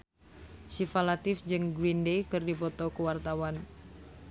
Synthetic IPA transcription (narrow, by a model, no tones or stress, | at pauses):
ʃifalat̪ɪfd͡ʒɨŋɡɾindejkɨrdifɔt̪ɔkəwart̪awan